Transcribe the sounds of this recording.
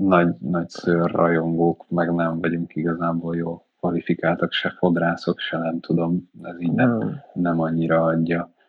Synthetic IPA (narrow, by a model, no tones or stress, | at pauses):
nɒɟnɒɟsøːrːɒjo̞ŋɡoːkmɛɡnɛɱvɒɟuŋkiɡɒzaːboːljoːlkvɒlifikaːlt̪ɒkʃɛfo̞d̪raːso̞kʃɛnɛmt̪ʰud̪o̞mɛziːɟnɛmnɛmɒɲːiɾɒɒɟːɒ